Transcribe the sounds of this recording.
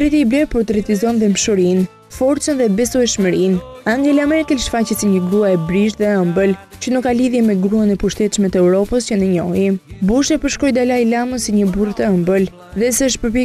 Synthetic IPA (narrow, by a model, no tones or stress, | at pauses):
t̪ɾɛt̪iiblɛɾpɔɾt̪ɾɛt̪izɔnðɛmʃɔɾin | fɔɾt͡sənðɛbɛsɔɛʃməɾinaŋɡɛlamɛɾkɛlʃfacəsiɲəɡɾuaɛbɾiʃðɛəmbəlt͡ɕənukːaliðjɛmɛɡɾuanɛpuʃt̪ɛt̪ʃmɛt̪əɛuɾɔpəst͡ɕənəɲɔibuʃɛpəɾʃkɔjd̪alajlaməsiɲəburt̪əəmbəl | ðɛsɛəʃpəɾpɛ